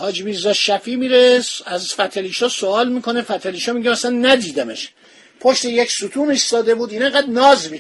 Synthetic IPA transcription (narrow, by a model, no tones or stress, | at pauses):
hɒːd͡ʒbiːzæʃæfiːmiːɾesæzfæt̪ʰeliʃɒsoɒːlmiːko̞nefæt̪ʰæliːʃɒmiɟemæsænːæd̪iːd̪æmḛʃ | pʰoʃt̪ejecsut̪ʰuːmisɒːd̪ebuːd̪iːneŋɡæd̪nɒːzmi